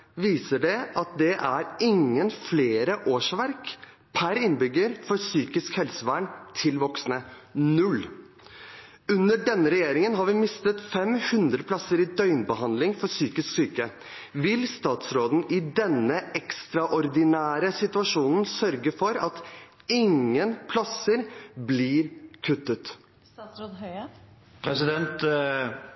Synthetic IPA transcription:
ʋiːsəɖɛʔɑt̪̚d̪ɛʔæɾɪŋːənfleːɾəʔoːʂʋæɾk | pʰæɾɪnbʏɡːəɾfɔɾsyːkɪskhɛlsəʋæɳt̪ʰɪlʋɔksnə | nʉl | ʉnːəɖɛnːəɾɛjeːɾɪŋənɦɑɾʋɪmɪst̪ət̪fɛmhʉnd̪ɾəpʰlɑsəɾɪd̪œʏnbəɦɑnd̪lɪŋfɔsyːkɪsksyːkə | ʋɪlst̪ɑːt̪sɾoːd̪n̩ʔɪd̪ɛnːəɛkst̪ɾɑʔɔɾd̪ɪnæːɾəsɪt̪ʉɑʂuːnn̩sœɾɡəfɔɾɑt̪ | ɪŋːənpʰlɑsəɾblɪɾkʰʉt̪ːət̪ | pʰɾɛsɪd̪ɛnt̪

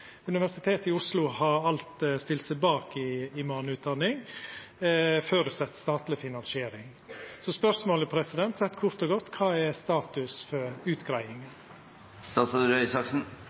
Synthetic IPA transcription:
ʉnɪʋæʂɪt̪ʰeːt̪ɪʊslʊhɑɾɑlt̪st̪ɪlsəbɑːkɪːmɑːnʉːt̪̚d̪ɑnːɪŋ | føɾʉsɛt̪ːst̪ɑːt̪lɪfɪnɑnsɪeːɾɪŋ | sɔspœɾsmoːləpʰɾɛsɪd̪ɛnt̪ɾɛt̪kʰʊɾt̪ɔɡɔt̪ːkʰɑːɛɾst̪ɑːt̪ʉsfɔɾʉːt̪ɡɾæɪɪŋən | st̪ɑːt̪sɔd̪ɾœʏsɑksn̩

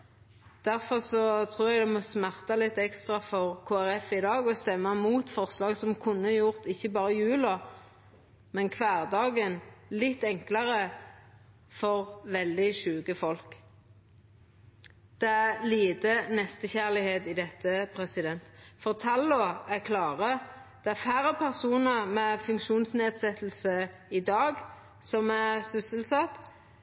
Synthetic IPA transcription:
d̪̥æʁfɔʁsɔt̪ʰʁuːʁɛɡd̪ɛmɔsmæʁt̪ɑlɪt̪ːɛkst̪ʁɑfɔʁkʰoːæʁɛfɪd̪ɑːɡɔst̪ɛmːɑmuːt̪fɔʁslɑːɡsɔmkʰʊnːəjʊʁt̪ɪçːəbɑːʁəjʉːlɔ | mɛnkʰʋæːʁd̪ɑːɡənlɪt̪ːɛŋklɑʁə | fɔʁʋɛld̪ɪʃʉːɡəfɔlk | d̪̥ɛæliːd̪ənɛst̪əçæʁlɪheːt̪ɪd̪ɛt̪ːəpʰʁɛsɪd̪ɛnt̪fɔʁt̪ʰɑlːɔæʁkʰlɑːʁəd̪̥ɛæʁfæːɾəpʰæʁsuːnəʁmɛfʉŋkʃuːnsneːd̪sɛt̪ːəl̩səɪd̪ɑːɡ | sɔmæʁsʏsəlsɑt̪ː

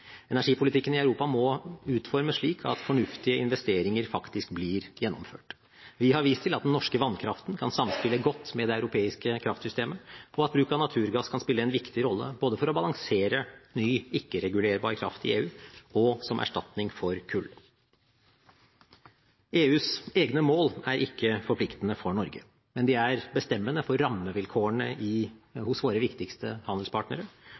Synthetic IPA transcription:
ɛnæʂiːpʰʊlɪt̪ʰɪkːənɪɑʉɾuːpɑmɔʉːt̪fɔɾməʂɭiːkʰɑ̰t̪fɔɳʉft̪ɪəɪnʋɛst̪eːɾɪŋəɾfɑkt̪ɪskblɪːɾjɛnːɔmføːʈ | ʋɪhɑɾʋiːst̪ʰɪlɑt̪̚d̪ɛnnɔʂkəʋɑnkʰɾɑft̪nkʰɑnsɑmːspɪləɡɔt̪ːmɛd̪ɛɑʉɾʊpʰeːɪskəkʰɾɑft̪sʏst̪eːməʔɔɑt̪̚bɾʉːkɑnɑt̪ʰʉːɾɡɑskʰɑnspɪlːəɛnʋɪkt̪ɪɾɔlːə̰boːd̪əfɔɾɔbɑlɑŋseːɾənyːɪkːəɾɛɡʉleːɾbɑ̰ːɾəkʰɾɑ̰ft̪ɪ̰eːʉːɔsɔmʔæ̰ʂʈɑt̪nɪŋfɔɾkʰʉlː | eːʉːseːɡnəmoːlæɾʔɪkːəfɔɾpʰlɪkt̪ənəfɔɳɔɾɡə̰ | mɛnd̪ɪæɾbəst̪ɛmːənəfɔɾːɑmːəʋɪlkʰoːəɳəʔɪhʊsʋoːɾəʋɪkt̪ɪkst̪əhɑnd̪əlspʰɑːʈnəɾə

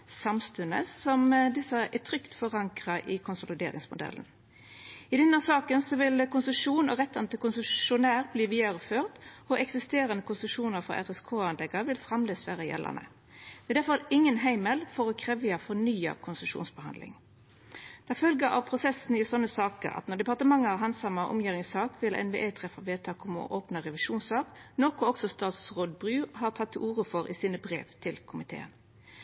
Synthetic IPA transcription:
sɑmst̪ʉnə̰sɔmd̪ɪsəæt̪ʰʁʏkt̪fɔʁɑŋkʁɑʔɪkʰʊnsʊlɪd̪ḛːʁɪ̰ŋsmʊd̪ɛ̰lːən | ɪd̪ɛnːəsɑːkənsɔʋɪlkʊnsəʂuːnɔʁɛt̪ːɑnt̪ɪkʊnsəʃʊnæːʁbliːʋiːd̪əɾəføːʁt̪ɔʔɛksɪst̪eːɾənəkʰʊnsəʂuːnəʁfɔ̰æ̰ʁɛskʰoːɑnd̪ɛɡəʋɪlfʁɑmleːsʋæːʁəjɛ̰lːə̰nə̰ | d̪̥ɛd̪æʁfɔɾɪŋːənɦæɪməlfɔʁɔkʰʁɛʋɪjɑfɔnyːə̰kʰʊnsəʂṵːnsbəhɑ̰nd̪lɪ̰ŋ | d̪̥æɪfœlɡəʔɑ̰ʋpʰʁʊsɛsn̩ɪsɔnːəsɑːkə̰ɾɑ̰t̪nɔʁd̪ɛpɑʁt̪əmɑŋːəɑɦɑnsɑmɑʁʔʊ̰mjiːʁɪŋsɑːkʋɪlʔɛ̰nʋḛːʔeːt̪ʰʁɛfɑʋeːt̪ʰɑːkɔmɔ̰ʔoːpnəʁɛʋɪʃuːnsɑʁɡnoːkʊɔksɔst̪ɑːt̪sʁoːd̪bʁʉːhɑːʁt̪ʰɑt̪ʰːɪluːʁəfɔɾʔɪ̰siːnəbʁḛːʋt̪ʰɪlkʰʊmɪt̪ʰḛːə̰n

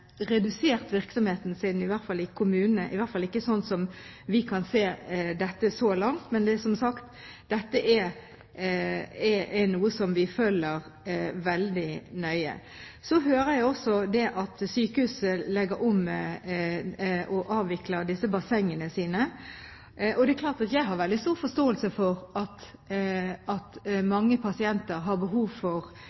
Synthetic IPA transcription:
ʁɛd̪ʉseːʁt̪ʋɪɾksɔmheːt̪n̩sɪnɪʋæʁt̪fɑlːɪkʰʊmʉːnənəʔɪʋæɾt̪fɑlɪkːəsɔnsɔmʋɪkʰɑnseːd̪ɛt̪ːəsɔlɑŋt̪mɛnd̪ɛsɔmsɑkt̪ | d̪̥ɛt̪ːəʔɛ | ɛɛnuːəsɔmʋɪføːlːəɾʋɛld̪ɪnœʏə̰ | sɔɦøːɾəjæɪɔsɔd̪ɛʔɑt̪syːkəhʉːsəlɛɡəɾɔmː | ʔɔʔɑːʋʋɪkləd̪ɪsəbɑsɛŋːənəsiːnə | ʔɔd̪ɛɛkʰlɑːʁt̪ɑt̪jæɪɦɑɾʋɛld̪ɪst̪uːʁfɔst̪oːəlsəfɔʁɑt̪ | ɑt̪mɑŋːəpʰɑsɪɛnt̪əɾɦɑɾbəɦuːʋfɔʁ

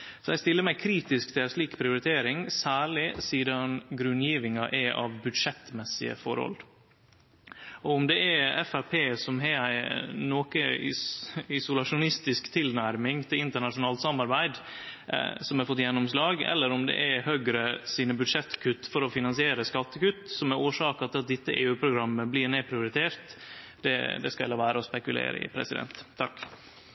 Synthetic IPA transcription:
sɔɛɪst̪ɪlːəɾmæɪkʰɾiːt̪ɪskt̪ʰɪlæɪʂɭiːkpʰɾɪʊɾɪt̪ʰeːɾɪŋsæːɭɪsiːd̪ɑnɡɾʉnjiːʋɪŋɑʔɛʔɑ̰ʋbʉd̪ʂɛt̪mɛsːɪ̰ə̰fɔ̰ɾhɔ̰l | ɔʊmd̪ɛʔɛɛfæɾpʰeːsɔmɦɛæɪnoːkə | ɪsʊlɑʂʊnɪst̪ɪskt̪ʰɪlnæɾmɪŋt̪ʰɪlɪnt̪əɳɑʂʊnɑːlt̪sɑmːɑɾbæɪd̪ | sɔmɛɾfɔt̪ːjɛnːɔmslɑːɡɛ̰lːəɾʊmd̪ɛ̰ʔæhøɡɾəsiːnəbʉd̪ʂɛt̪ːkʰʉt̪ːfɔɾɔfɪnɑnsɪeːɾəskɑt̪ːəkʉt̪ːsɔmæɾoːʂɑːkɑt̪ʰɪlɑt̪̚d̪ɪt̪ːəʔeːʉːpʰɾʊɡɾɑmːəblɪːɾnepʰɾɪʊɾɪt̪ʰeːɾt̪ | d̪̥ɛ̰d̪ɛskɑɛlɑːʋæːɾəɔspɛkʉlḛːɾə̰ɪ̰pʰɾɛ̰sɪd̪ɛ̰nt̪ʰːɑk

